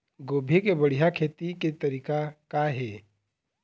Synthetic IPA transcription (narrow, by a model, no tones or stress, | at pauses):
ɡoːbʱekebəɽ̤ijakʰeːt̪iket̪ɐɾiːkakaɦeː